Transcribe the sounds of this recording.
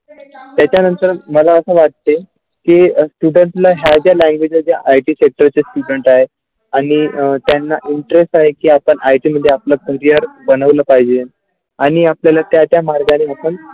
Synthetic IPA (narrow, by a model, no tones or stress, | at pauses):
t̪jat͡ɕjanənt̪əɾməlaəsə̃ːʋat̪̚t̪e | kisʈuɖəɳʈlaɦjad͡ʑjalæ̃ŋɡʋed͡ʑəd͡ʑjaʔajʈiːsek̚ʈəɾt͡sesʈuɽəɳʈaɦe | aɽ̃it̪janːaʔiɳʈɾesʈaɦekiːapəɳʔajʈiməd̪ʱjeapləkəɾijəɾbənəʋləpaɦid͡ʑen | aɽ̃iapljalat̪jat͡ɕjamaɾɡaneapəɳ